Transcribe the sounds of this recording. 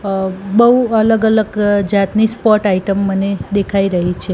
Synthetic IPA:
bəɦuələɡələɡd͡ʒat̪nispɔʈaiʈəmːəned̪ekʰaiɾəɦit͡ʃʰe

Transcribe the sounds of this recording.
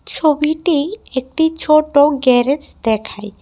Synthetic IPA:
t͡ʃʰobiʈiek̚ʈit͡ʃʰoʈoɡɛɾed͡ʒd̪ɛkʰaj

